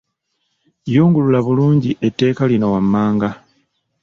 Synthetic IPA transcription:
joːŋɡululaβuluːɲɟiʔe̞tːe̞ːkalinowamːaːŋɡa

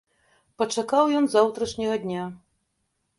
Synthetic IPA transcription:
pɐt͡ʂakawjɔnzawt̪ɾɐʂnʲɐɣɐd̪ʲnʲa

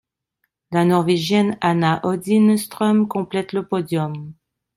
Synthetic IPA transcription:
lanɔʁveʒjɛnanaʔɔd̪inst̪χɔmkɔ̃plɛt̪ləpɔd̪jɔm

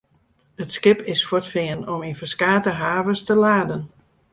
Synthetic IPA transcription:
ətskɪpɪsfotfɪənɔminfərskaːtəɦaːvəstəlaːdən

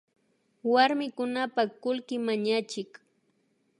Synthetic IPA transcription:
waɾmɪkʊnapakʊlkɪmaɲat͡ʃɪk

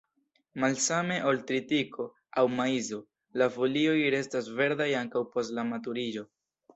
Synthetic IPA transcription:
malsame̞ʔoltɾitikʰo̞ | awmaizo | lafolio̞jɾe̞stasve̞ɾdajaŋkawpo̞stlamatuɾid͡ʒo̞

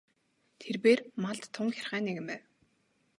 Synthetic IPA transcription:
t̪ʰerpeːrmaɮt̪ʰːʊŋxʲarχæːneɣɘ̆mpæːw

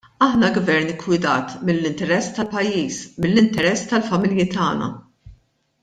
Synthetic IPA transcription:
ɐħnɐɡvɛɾnɪkwɪd̪ɐːt̪mɪlːɪnt̪ɛɾɛsːt̪ɐlpɐjːiːsmɪlːɪnt̪ɛɾɛsːt̪ɐlfɐmɪljɪt̪ɐ̰ːnɐ̰

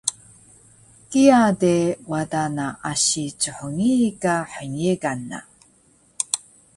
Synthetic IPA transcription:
kiadewadanaʔaɕit͡suħoŋikaħəɲeɡanːa̰

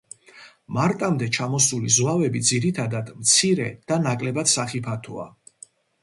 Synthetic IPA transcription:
maɾt̪ʼamd̪ɛt͡ʃʰamɔsulizwavɛbid̪ziɾit̪ʰad̪ad̪mt̪sʰiɾɛ̰d̪̥anakʼlɛbat̪saχipʰat̪ʰua̰

